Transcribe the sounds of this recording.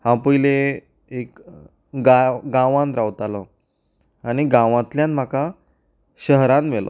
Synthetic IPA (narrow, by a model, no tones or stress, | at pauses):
hãpəjle | ek | ɡaɡãʋãnɾawt̪alɔ | añiɡãʋãt̪ljãnm̤aka | ɕəɦɾanʋelɔ̰